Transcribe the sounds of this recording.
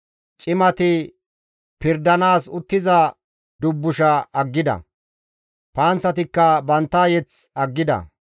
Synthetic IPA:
t͡ʃʼɪmɐt̪ɪ | pɪɾd̪ɐnaːsʊt̪ːɪzɐ | d̪ʊbːʊʃɐɐɡːɪd̪ɐ̰ | paːnt͡sːɐt̪̬ɪkːɐbɐnt̪ːɐjɛt͡sɐɡːɪd̪ɐ̰

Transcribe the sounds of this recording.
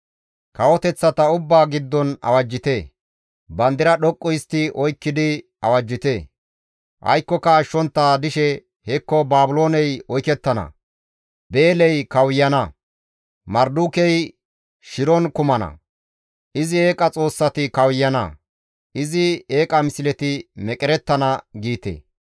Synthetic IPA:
kɐwɔt̪ɛt͡sːɐt̪ɐʊbːaːɡɪd̪ːɔnɐ̰wɐd͡ʒːɪt̪eː | bɐnd̪ɪɾɐɗɔkʼːɔjɪst̪ːɪɔjkːɪd̪ɪ | ɐwɐd͡ʒːɪt̪eː | ʔɐ̰jkːɔkɐːʃːɔnt̪ːaːd̪ɪʃɛ | hɛkːɔbaːbʊlo̞ːnɛjɔjkɛt̪ːɐnɐ̰ | be̞ːlɛjkɐwjːɐnɐ | mɐɾd̪ukɛj | ʃɪɾɔnkʊmɐnɐ̰ | ʔɪzɪe̞ːkʼɐt͡sʼo̞ːsːɐt̪ɪkɐwjːɐnɐ̰ | ʔɪzɪeːkʼɐmɪsɪlɛt̪ɪmɛkʼɪɾɛt̪ːɐnɐɡiːt̪ḛː

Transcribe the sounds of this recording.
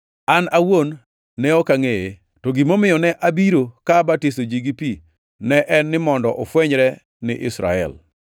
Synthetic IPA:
anawonː | ɛɔkaŋeje | toɡimomɪjɔnɛʔabiɾokabatistod͡ʒiɡipi | nɛʔɛnːɪmɔndɔʔofwɛɲɾɛ | nɪ̰ʔɪsɾa̰ɛ̰l

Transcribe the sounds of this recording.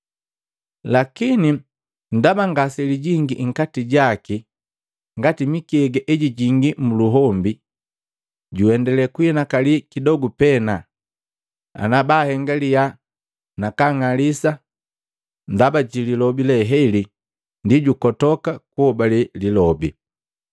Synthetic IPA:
lakini | n̩dabaŋɡasɛliɟiŋɡiŋ̩katiɟaki | ŋɡatimikiɛɡɛʔɛɟiɟiŋɡimuluɦɔmbi | ɟuɛndɛlɛkuɛnakalikidɔɡupɛna | a̰nabahɛŋɡalija | nakaŋalisa | ndabaɟililɔbilɛɦɛli | ndiɟukɔtɔkakuhɔbalililɔbḭ

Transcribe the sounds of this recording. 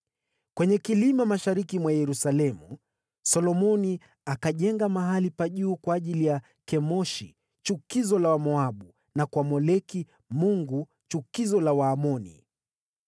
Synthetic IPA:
kwɛɲɛkilimamaʃaɾikimwajɛɾusalɛmu | sɔlɔmɔni | akaʄɛŋɡamaɦalipaʄuːkwaːʄilija | kɛmɔʃḭ | t͡ʃukizɔlawamɔaɓu | nakwamɔlɛki | muŋɡu | t͡ʃukizɔlawaːmɔnḭ

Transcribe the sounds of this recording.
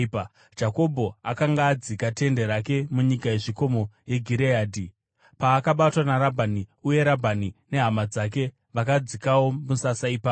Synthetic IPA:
d͡ʒako̞bʱo̞akaŋɡaːd͡zikate̞nde̞ɾake̞muɲikaje̞ʐiko̞mo̞je̞ɡʱiɾeaːdʱi | paːkaɓatwanaɾabʱaniuje̞ɾabʱanine̞ɦamad͡zak̬e̞ | ʋakad͡zikawo̞musasaiːpa

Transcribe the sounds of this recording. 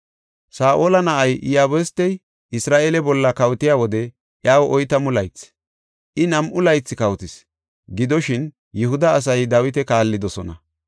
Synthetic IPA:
saːʔoːlɐnɐʔɐjʔɪjaːbɛst̪ːɛj | ɪsɾaːʔeːlɛbɔlːɐkɐwt̪ɪjaːwɔd̪ɛ | ʔjaːwɔʔɔjt̪ɐmʊlɐjt͡sː | ʔɪnɐmʔʊlɐjt͡sːɪkɐwt̪ɪs | ɡɪd̪ɔʃɪn | jɛhʊd̪ɐːs̬ɐjd̪awɪt̪ɛkaːlːɪd̪ɔsɔnɐ

